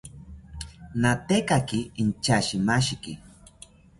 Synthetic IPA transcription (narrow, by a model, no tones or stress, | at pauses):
nat̪ekakiint͡ʃaʃimaʃikḭ